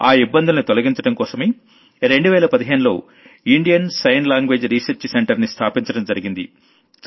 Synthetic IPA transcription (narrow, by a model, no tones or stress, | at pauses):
aːibːɐnd̪ulɐnit̪olɐɡiɲt͡ʃɐɽɐmkɔːsɐmeː | ɾe̞ɳɖuʋɛːlɐpɐd̪iɦeːnulo̞̰ː | iɳɖijɐnsɐjnlaːŋɡʋe̞ːd͡ʒɾiːsɐɾt͡ʃseɳʈɐɾnist̪ʰaːpiɲt͡ʃɐɽɐmd͡ʒɐɾiɡind̪ḭ